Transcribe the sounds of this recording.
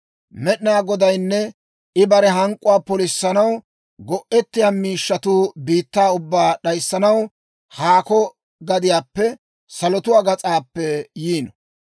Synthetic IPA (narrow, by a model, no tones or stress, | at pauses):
mɛɗɪnaːɡɔd̪ɐjnːɛ | ʔɪbɐɾɛɦɐŋkʼːʊwaːpɔlɪsːɐnɐw | ɡɔʔɛt̪ːɪjaːmiːʃːɐt̪uːbiːt̪ːaːʊbːaːɗɐjsːɐnɐw | haːkɔ | ɡɐd̪ɪjaːpːɛ | sɐlɔt̪ʊwaːɡɐt͡sʼaːpːɛjiːnɔ